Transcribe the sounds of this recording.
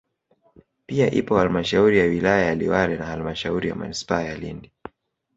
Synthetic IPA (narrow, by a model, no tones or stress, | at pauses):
piaʔipɔhalmaʃauɾijawilajajaliwaɾɛnahalmaʃauɾija̰ma̰nispaajalḭndi